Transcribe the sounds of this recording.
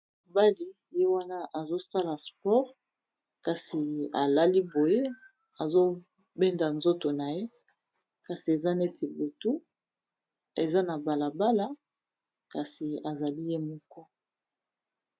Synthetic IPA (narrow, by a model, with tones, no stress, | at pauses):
ba˦li˨ | je˦wa˦na˦ʔa˨zo˦sa˦la˨spɔ˦ʁ | ka˨si˨a˨la˦li˦bo˨je˦ | a˨zo˦ | be˦nda˨nzo˦to˨na˨je˦ | ka˨si˨e˨za˦ne˦ti˨bu˨tu˦ | e˨za˦na˨ba˨la˨ba˦la˦ | ka˨si˨a˨za˨li˦je˦mɔ˦kɔ˦